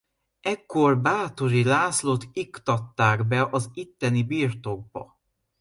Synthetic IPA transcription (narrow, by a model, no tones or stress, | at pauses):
ɛkːo̞rbaːt̪o̞ɾilaːslot̪ikt̪ɒt̪ːaːɡbɛʔɒzit̪ːɛnibiːrt̪o̞ɡ̚bɒ̰